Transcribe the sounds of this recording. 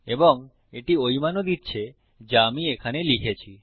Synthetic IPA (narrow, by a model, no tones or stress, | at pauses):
eboŋ | eʈiojmanod̪itːɕʰe | d͡ʑaamiekʰanelikʰet͡ɕʰi